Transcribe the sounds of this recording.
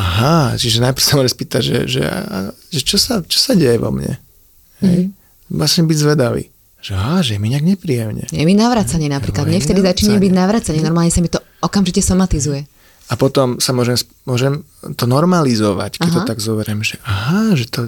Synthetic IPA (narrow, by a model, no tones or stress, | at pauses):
aɦat͡ʃiʒɛnajpr̩samɔʒɛmspiːt̪aɟʒɛ̰ʒɛ̰a̰a̰n | ʒɛt͡ʃɔsat͡ʃɔ̥saɟɛjɛʋɔ̰mɲɛ̰ | ɦɛj | ʋlasɲɛbiɟzʋɛd̪aʋḭː | ʒ̥ɛaaʒɛjɛmiɲɪaɡɲɛpɾiːjɛmɲɛ̰jɛminaʋɾat͡saɲɪɛnapɾiːklad̪ɲɛft̪ɛd̪izat͡ʃiɲɛmbiɟnaʋɾat͡saɲɛnɔɾmalɲɛsamit̪ɔ | ɔkamʒicɛsɔmat̪izujɛ | apɔt̪ɔmsamʊɔʒɛms | mʊɔʒɛm | t̪ɔnɔɾmalizɔʋa̰ckɛɦtt̪t̪aɡzɔbɛɾɛmʒɛʔaɦaʒɛt̪ɔ